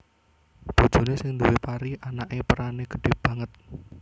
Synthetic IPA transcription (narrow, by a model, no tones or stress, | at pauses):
b̥o̤d̥ʒ̥o̤nesɪŋnd̪uwepaɾiʔanaʔepəɾaneɡ̥əɖ̥e̤hb̥ä̤ŋət̪̚